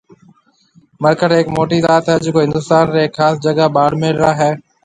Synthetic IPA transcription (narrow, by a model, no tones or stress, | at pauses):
məɾkəʈeːkmoːʈiːd̪aːt̪əd͡ʒkoːɦɪ̃nd̪ʊst̪aːnɾeːkxaːsd͡ʒəɡaɓaːɽmẽlɾaːɦɛː